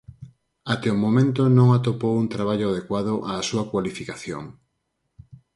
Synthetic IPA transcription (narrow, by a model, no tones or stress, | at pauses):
at̪eomomẽnt̪onõŋat̪opowunt̪ɾaβ̞aʎʊað̞ekwaðʊʔaːsuɐkwalifikaθjo̰ŋ